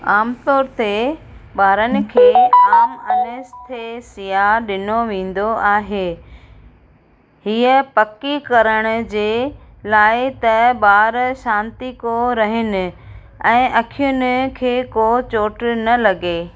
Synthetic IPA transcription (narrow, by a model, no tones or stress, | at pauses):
aːmt̪ɔːɾt̪e | ɓaːɾənɪ̆kʰeːaːmɐnɪst̪ʰesijaɗɪnoʋẽːn̆d̪oaːɦeː | hiːəpɐkikɐɾəɽ̃ʊ̆d͡ʑeː | laːɪt̪ɐɓaːɾʃãːnt̪ikoɾɐɦɪnɪ̆ | ɛ̃ːʔɐkʰijʊn̆kʰeːkot͡ɕoːʈnɐlɐɡeː